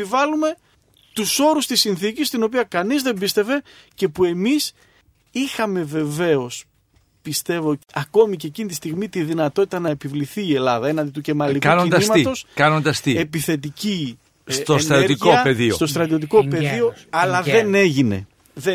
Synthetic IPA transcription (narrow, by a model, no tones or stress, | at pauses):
eivɐlume̞ | t̪uso̞ɾust̪isinθicist̪ino̞p̬iɐkɐnizðe̞mbist̪e̞ve̞ | ce̞pue̞mis | ixɐme̞ve̞ve̞o̞s | pist̪e̞vo̞ɐko̞micecinit̪ist̪iɣmit̪iðinɐt̪o̞t̪i̥t̪ɐnɐe̞pivliθiːe̞lɐðɐenɐnd̪it̪uce̞mɐlikuɐnonind̪ɐsimɐit̪o̞skɐnond̪ɐst̪ie̞piθe̞t̪̬ici | st̪oetnɐoɾt̪iopeðist̪o̞st̪ɾɐt̪iot̪̬iko̞pe̞ðio̞ɐlɐððe̞ne̞ʝine̞̰ | ðe